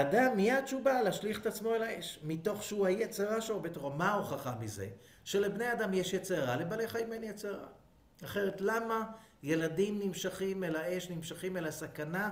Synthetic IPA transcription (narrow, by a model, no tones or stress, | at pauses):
damːiadʃubaleaʃliχet̪at͡smo̞elae̞ʃmito̞χʃeuajet͡seʁaʃobetʁomauχaχamize̞̰ | ʃe̞le̞bnead̪amjeʃjet͡seaʁalebaleχajimenjet͡seaʁa̰ | aχe̞ʁetlama | je̞ladimnimʃaχimelae̞ʃnimʃaχime̞lasakana